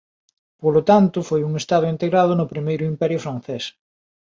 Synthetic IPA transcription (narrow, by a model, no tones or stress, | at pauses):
polot̪ant̪ʊfojuŋest̪aðʊint̪eɣɾað̞ʊnʊpɾimejɾʊimpɛɾjʊfɾan̟θes